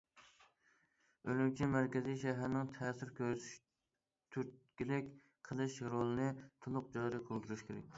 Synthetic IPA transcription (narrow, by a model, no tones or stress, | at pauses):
ølymt͡ʃʰimæɾkʲɪzijʃæɦæɾnɪŋt̪ʰɛːsɪɾkʲʰøʃ | t̪ʰyt̪̚kʲilɪkʲ | qʰəlˠɨʃɾolˠɨnɨt̪ʰʊlˠʊq̚d͡ʒɑːɾiqʰolˠd̪uɾyʃkʲʰeɾɛ̰kʲ